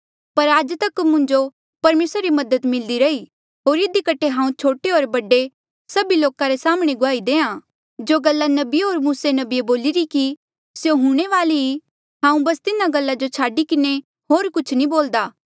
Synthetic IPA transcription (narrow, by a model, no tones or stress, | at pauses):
pɐɾaːd͡ʒt̪ɐkmʊ̃ɲd͡ʒo | pɐɾmeːsɾaɾimɐd̪ət̪mɪld̪iɾɐi | ɦoːɾɪd̪ikɐʈʰːeɦãːũt͡ʃʰoːʈeɦoːɾbɐɖe | sɐbiloːkãɾesaːmɽ̃eɡʊaːid̪eːã | d͡ʒoːɡɐlːanɐbiɦoːɾmuːsenɐbieboːliɾiki | sjoɦũɽ̃eʋaːlii | ɦãːũbɐst̪ɪnãɡɐlːad͡ʒot͡ʃʰaːɖikɪne | ɦoːɾkʊt͡ʃʰnĩboːld̪aː